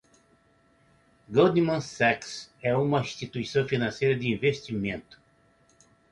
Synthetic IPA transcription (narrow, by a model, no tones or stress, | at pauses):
ɡod̪imɐ̃sɛksɛũmɐĩst̪it̪uisɐ̃w̃finɐ̃sejɾɐd̪ɪĩvest͡ʃimẽnt̪ʊ̥